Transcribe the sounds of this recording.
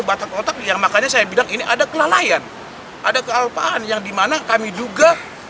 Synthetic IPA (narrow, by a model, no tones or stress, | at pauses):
bat̪akot̪ak̚jaŋmakaɲasajabilaŋiniʔadakəlalajan | ʔadakəalpaanjaŋdimanakamid͡ʒuɡa